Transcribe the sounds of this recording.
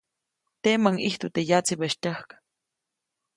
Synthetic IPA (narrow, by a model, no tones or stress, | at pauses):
t̪eməŋiht̪ut̪ejat͡sibəʃt̪əhkḁ